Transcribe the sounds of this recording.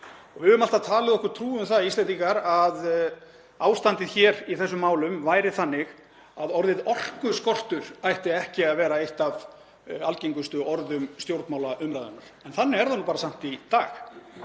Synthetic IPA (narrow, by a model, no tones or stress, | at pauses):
ɔɣvɪʏmalt̪aðt̪ʰaːlɪðɔhkʏɾ̥t̪ʰɾuːʏmθaðist̪ɛnt̪iŋkaɾað | aːwst̪ant̪ɪðçɛːɾiθɛsːʏmːaːwlʏmvaːjɾɪθanːɪɣ | aðɔɾðɪðɔr̥kʏskɔr̥t̪ʏɾ̥ajht̪ɪɛhcɪaðvɛːɾaejht̪av | alceŋkʏst̪ʏʔɔɾðʏmst̪jowɾt̪maːwlaʔʏmɾajðʏ̰naɾ̥ɛnθanːɪɛɾðanuːpaːɾasam̥t̪it̪aːx